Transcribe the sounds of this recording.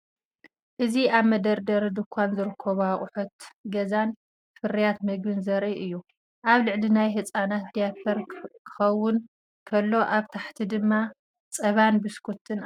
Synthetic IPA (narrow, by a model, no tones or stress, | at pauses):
ʔɨziaβmɐd̪ɐɾd̪ɐɾd̪ɨkʰʷːanzɨɾɨkʰːɐβaχʼʊħut̪ɡɐzan | fɨɾijat̪mɨɡbɨnzɐɾʔiʔɨjːu | ʔaβlɨʕlinajɦɨt͡sʼanat̪d̪ijapʰɐɾkʰɨ̥xɐwːʊn | kʰɐlːo̞ʔaβt̪ʰaħt̪ʰid̪ɨmːa | t͡sʼɐβanbɨskʰut̪ʰːɨn